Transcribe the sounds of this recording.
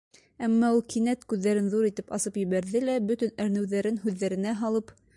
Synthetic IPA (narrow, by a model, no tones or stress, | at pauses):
æmːɑulˠkinæt̪kʉðːæɾɘnðuɾit̪ɘpɑsɤpjɘ̆βæɾðɘlæbɵ̆t̪ɵnɘ̆ɾnɘ̆wðæɾɘnʉðːæɾɘ̆næɦɑlˠɤp